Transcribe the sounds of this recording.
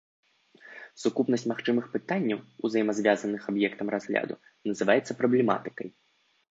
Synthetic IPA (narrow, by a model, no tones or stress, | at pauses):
sukupnɐsʲt͡sʲmaxt͡ʂɨmɨxpɨt̪anʲːɐwṵzɐjmɐzʲvʲazɐnɨxabjɛkt̪ɐmrazɣlʲa̰d̪ṵ | nɐzɨvajɛt̪sːɐpɾɐblʲɛma̰t̪ɨ̥kɐj